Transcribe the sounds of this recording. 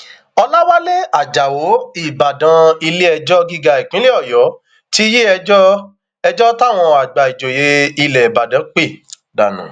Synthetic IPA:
ɔ˧la˦wa˦le˦a˨d͡ʒa˨wo˨˦i˦˨ba˨dã˧i˧le˦ɛ˧d͡ʒɔ˦ɡi˦ɡa˧˨i˨k͡pĩ˦le˦ɔ˦˨jɔ˨˦ | ti˦je˦ɛ˧d͡ʒɔ˦ | ɛ˧d͡ʒɔ˦ta˦˨w̃ɔ̃˧a˨ɡ͡ba˨i˨d͡ʒo˨je˨˦i˧lɛ˨ba˨dã˨˦k͡pe˦˨ | da̰˨nṵ̃˨

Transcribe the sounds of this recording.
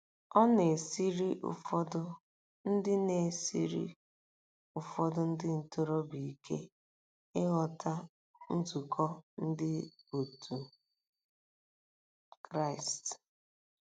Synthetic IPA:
ɔ˦ne˨si˦ɾi˦ʔʊ̰˨fɔ˦dʊ˦ | n̩˦dɪ˦ne˨sḭ˦ɾḭ˦ | ʊ˨fɔ˦dʊ˦n̩˦dɪ˦n̩˨to˦ɾo˦bi˨kʰḛ˦ | ɪ˦ɣɔ˨ta˦ | n̩˦tu˨kʰɔ˦n̩˦dɪ˦o˨tʰu˨ | kɾa˦ɪ˨st

